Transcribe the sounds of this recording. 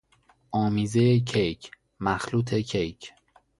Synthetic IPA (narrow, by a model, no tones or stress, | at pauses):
ʔɒːmiːzejecʰejcʰ | mæxluːt̪ʰe̞cʰejcʰ